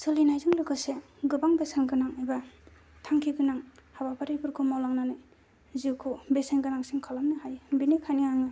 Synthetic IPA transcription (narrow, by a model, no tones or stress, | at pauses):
solinajzɯŋlɯɡɯse | ɡɯbaŋbesenɡɯnaŋajba | tʰaŋkʰiɡɯnaŋhabapʰaɾibʰɯɾkʰumawlaŋnanɯ | ziwkʰubesenɡɯnaŋsiŋkʰalamnɯhajbinikʰaniaŋɯ